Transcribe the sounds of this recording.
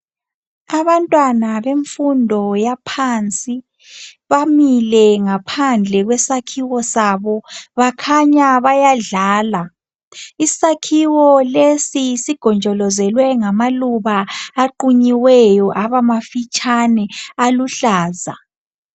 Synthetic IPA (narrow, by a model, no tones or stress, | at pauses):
aβantʼwanaβeɱfundʱɔjapʰant͡sʼi | βamilɛŋapʰand͡ɮʱɛɣwɛsakʰiwɔsaβɔβakʰaɲaβajaɮaːla | isakʰiwɔlesisiɡ̥ʱɔnd͡ʒʱɔlɔzɛlwɛŋamaluβaːǃuɲiwɛjɔʔaβamafit͡ʃʼanɛaluɬaːza